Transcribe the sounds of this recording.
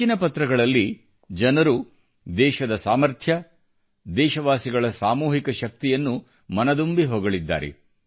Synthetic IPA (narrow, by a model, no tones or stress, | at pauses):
inɐpɐt̪ɾɐɡɐɭɐlːi | d͡ʒɐnɐɾu | d̪ɛːʃɐd̪ɐsaːmɐɾt̪ʰjɐ | d̪ɛːʃɐʋaːsiɡɐɭɐsaːmuːɦikɐʃɐk̚t̪ijɐnːu | mɐnɐd̪umbiɦoːɡɐɭid̪ːa̰ːɾḛ